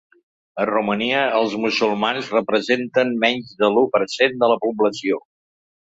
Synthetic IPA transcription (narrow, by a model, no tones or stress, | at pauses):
əruməniəəlˠzmusulˠmanzrəpɾəzent̪ənmɛɲʲzðəlupəɾsend̪ələpubləsio